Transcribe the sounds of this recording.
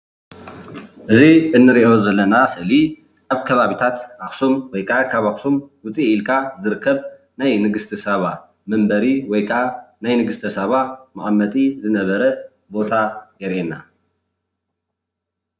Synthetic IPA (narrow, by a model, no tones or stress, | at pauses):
ʔɨziɨnːɨɾiʔo̞zɐlːɐnasɨʔɨli | aβkʰɐβaβit̪ʰat̪ʔaxsumwɔjkʰakʰaβaxsumwʊt͡sʼiːlkʰazɨɾɨkʰːɐβ | najnɨɡɨst̪ʰɨsɐβa | mɐmbɐɾiwɔjkʰanajnɨɡɨst̪ʰɐsɐβamaʔʼamːɐt̪ʼizɨnɐβɐɾɐ | bo̞t̪ʰajɛɾʔena